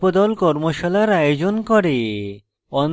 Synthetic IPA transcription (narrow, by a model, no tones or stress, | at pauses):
pod̪ɔlkɔɾmoʃɔlaɾajod͡ʑonkɔɾe | ɔn